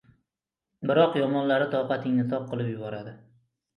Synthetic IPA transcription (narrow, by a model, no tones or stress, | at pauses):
bɪɾɒqjɒmɒnlaɾɪt̪ʰɒwqɑt̪ʰɪŋnɪt̪ʰɒp̚qɨlˠɪpjʊbɒɾad̪ɪ